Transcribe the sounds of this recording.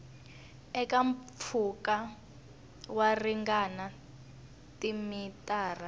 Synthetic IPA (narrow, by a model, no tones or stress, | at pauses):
ɛkamfʰuka | wariŋɡana | timitʼaːra